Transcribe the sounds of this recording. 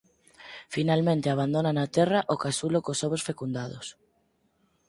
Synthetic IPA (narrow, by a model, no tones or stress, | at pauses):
finalmẽnt̪eaβ̞and̪onanat̪ɛraʔokasulokosoβosfekund̪aðo̰s